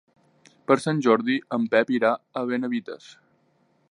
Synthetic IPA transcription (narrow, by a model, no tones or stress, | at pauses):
pəɾsanʲʒɔɾðiəmpɛpiɾaəβ̞enəβit̪ə̰s